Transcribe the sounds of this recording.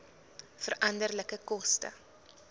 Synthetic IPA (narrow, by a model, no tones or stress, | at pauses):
fəɾɐndərləkəkɔstə̰